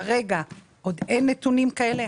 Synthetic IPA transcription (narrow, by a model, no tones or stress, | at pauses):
ʁe̞ɡa | ʔod̪ejnːet̪unimkae̞le̞